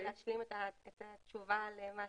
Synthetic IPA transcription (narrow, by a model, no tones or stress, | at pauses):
laːʃlimet̪aet̪att͡ʃuvalema